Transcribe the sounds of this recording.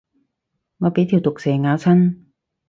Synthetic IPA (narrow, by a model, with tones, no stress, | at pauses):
ŋɔː˧˥piː˨˥t̪ʰiː˨˩wt̪o˨˩k̚seː˨˩ŋaː˨˧˥wt͡ɕʰa˥˩n